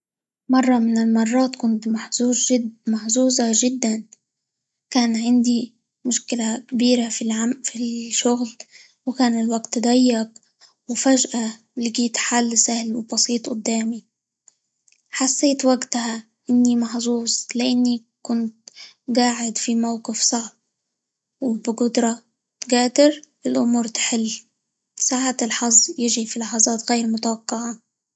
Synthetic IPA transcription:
mɑrˤːɑmɪnɪlmɑrˤːɑːt̪kʊnt̪maħzuːzmaħzuːzaʒɪd̪ːan | kaːnʕɪnd̪i | mʊʃkɪlakabiːɾafilʕafiʃʊɣl | wɪkaːnɪlwaɡt̪ːd̪ajːɑq | wɪfaʒʔa | lɪɡiːt̪ħalːsahlwɪbɑsiːt̪ˤʔʊd̪ːaːmi | ħasːeːt̪waɡt̪aha | ʔɪnːimɑħzˤuːzˤlɪʔanːi | kʊnt̪ | ɡaːʕɪd̪fimawqɪfsˤɑʕb̚ | wɪbɪɡʊd̪ɾˤɑ | t̪ɡaːd̪ɪɾ | ɪlʔʊmuːɾt̪ħɪlː | saːʕat̪lħɑzˤːjɪʒifilɑħɑzˤɑːt̪ɣeːɾmʊt̪awɑqːɑʕa

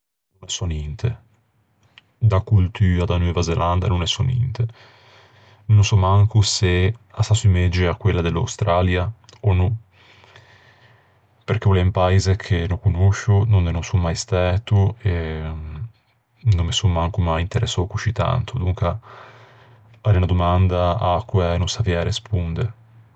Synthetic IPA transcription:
nonɛsɔnɛnt̪ʰe | d̪akult̪yːad̪anwɛːvazelʔand̪a̰nonɛsɔnḭnt̪e | nnosɔmaŋkuseasasimed͡ʒeakːwelːad̪elːa̰wst̪ɾalja | ono | peɾk̟eulɛmpaezekʰenokunoʃunonːenosomːajst̪ɛːt̪ue | nomːesunmaŋkumajint̪eɾḛsːɔkut͡ʃit̪a̰nt̪ud̪uŋka | aɾeunad̪omand̪aakːuɛnosavjaɾespund̪e

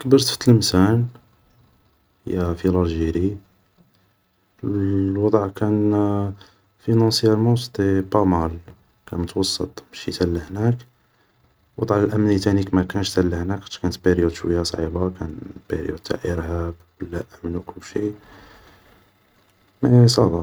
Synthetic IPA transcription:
kbəɾt̪fə̥t̪ːlmsæn | hjæfilɑɾʒiɾi | wɑd̪ˤʕkæn | finɑsjæɾmɑsd̪ˤipɑmɑl | kænmʊt̪wɑsˤːət̪ˤməʃit̪ælːəhnæk | wɑd̪ˤʕəlʔæmnit̪ænikmækænʃt̪ælːəhnæk̪kænt̪beɾjud̪ʃwəjːæsˤʕḭbakænbḛɾjṵd̪̚t̪ʰːa̰ʕʔəɾhæb | əlːæʔæmnwkʊlːʃi | mæsˤɑd̪ˤɑ

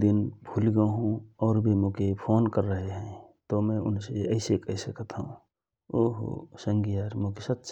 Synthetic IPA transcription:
d̪ɪnbʱulɡəɦũɔːɾbʱimokepʰoːnkəɾːəɦeɦɛ̃t̪omɛ̃ʊ̰nseəɪsekəɦsəkət̪ɦũ | oɦo̰səŋɡijaɾmokesətːt͡ʃ

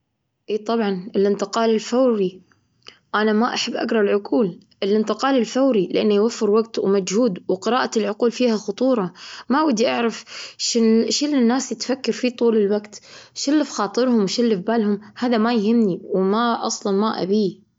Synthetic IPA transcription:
ʔeːt̪ˤɑbʕɑnɪlʔɪnt̪ɪqɑːlɪlfawɾi | ʔanamaʔaħabːʔa̰ɡɾˤɑlʕʊquːl | ʔɪlʔɪnt̪ɪqɑːlɪlfawɾilɪʔanːjwafːɪɾwaɡt̪wmad͡ʒhuːd̪wqɪɾaːʔalʕʊquːlfiːhaxʊt̪ˤuːɾˤɑmaʔwad̪ːiʔaʕɾɪfʃɪʃɪlːɪnːaːsjɪt̪fakːɑɾfit̪ˤuːlɪlwaɡt̪ʃɪlːɪfxɑːt̪ˤɨɾhʊmwʃɪlːɪfbaːlhʊmhaːðamajhɪmːniwmaʔɑ̰sˤlɑnmaʔa̰biː

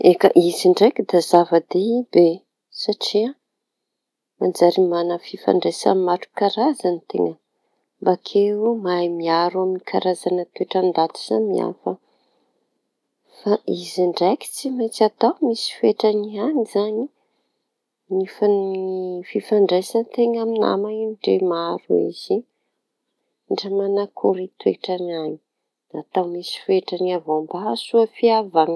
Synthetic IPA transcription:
ekə̰ʔiziɳɖ͡ʐekid̪azavəd̪ebe | saʈ͡ʂia | mand͡zaɾimanəfifa̰ɳɖ͡ʐesa̰maʈ͡ʂu̥kaɾazanit̪ḛŋə | mbakʰeumajmiaɾwaminikʰaɾazanət̪ueʈ͡ʂand̪at̪u̥z̥anmia̰fə | faiziɳɖ͡ʐajki̥t͡simat͡sat̪awmisi̥feʈ͡ʂanianizani | nifanififaɳɖ͡ʐajsant̪eŋamina̰mainɖ͡ʐemaɾuḭz̥i | ɳɖ͡ʐəmanakʰuɾit̪weʈ͡ʂanaɲi̥ | at̪awmisi̥feʈ͡ʂaniavambasuəfiavaŋ

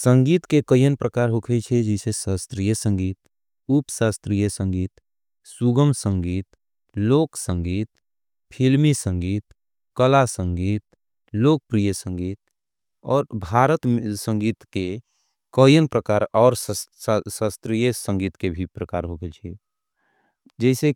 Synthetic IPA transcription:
sə̃ŋɡiːt̪kekəjənpɾəkaːɾɦokʰet͡ʃʰed͡ʒisesaːst̪ɾijəsə̃ŋɡiːt̪ | upsaːst̪ɾijəsə̃ŋɡiːt̪ | suɡəmsə̃ŋɡiːt̪ | loːksə̃ŋɡiːt̪ | pʰilmisə̃ŋɡiːt̪ | kəlasə̃ŋɡiːt̪ | loːk̚pɾijəsə̃ŋɡiːt̪̚ | ɔːɾbʱaːɾət̪sə̃ŋɡiːt̪ke | kəjənpɾəkaːɾɔːɾ | saːst̪ɾijəsə̃ŋɡiːt̪kebʱipɾəkaːɾɦokʰet͡ʃʰɛ | d͡ʒɛɪse

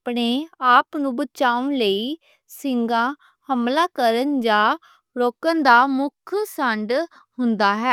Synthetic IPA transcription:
pɽeːaːpnũːbət͡ʃaːʊnləiː | sɪŋɡãː | həmlaːkəɾənd͡ʒãː | ɾoːkənd̪aːmʊkʰsəɳɖ | hʊnd̪aːɦɛː

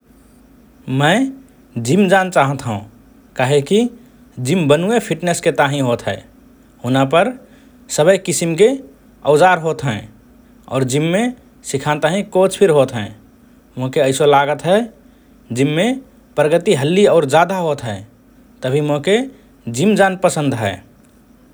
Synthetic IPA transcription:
mə̃ɪ | d͡ʒimd͡ʒant͡ʃaːɦət̪ɦṵ̃ | kaːɦeki | d͡ʒimbənuepʰiʈnesket̪aɦĩɦoːt̪ɦɛ̰ː | hʊnapəɾ | səbəjkisimk̬e | əʊd͡ʒaːɾɦoːt̪ɦɛ̃ː | ɔ̰ːɾd͡ʒimːe | sikʰãt̪aɦĩkoːt͡ʃpʰiɾɦoːt̪ɦɛ̰̃ | moɦkeəɪsolaɡət̪ɦɛ | d͡ʒimːe | pɾəɡət̪iɦəlːiɔːɾd͡ʒad̪aɦoːt̪ɦɛ | t̪əbʱimoɦke | d͡ʒimd͡ʒaːnpəsə̃nd̪ɦɛ̰ː

